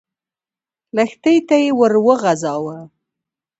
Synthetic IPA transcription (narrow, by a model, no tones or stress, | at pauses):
ləxt̪əjt̪ajewəɾwəɣazɑwə